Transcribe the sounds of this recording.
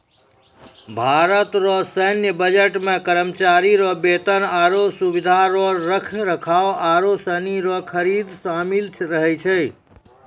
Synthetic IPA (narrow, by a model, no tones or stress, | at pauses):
bʱaɾət̪ɾɔsənjəbəd͡ʒeʈmẽkəɾəmt͡ʃaɾiɾɔbet̪ənaɾosubid̪ʱaɾɔɾəkʰɾəkʰawaɾosəniɾɔkʰəɾid̪samilt͡ʃʰɾəɦɛt͡ʃʰɛ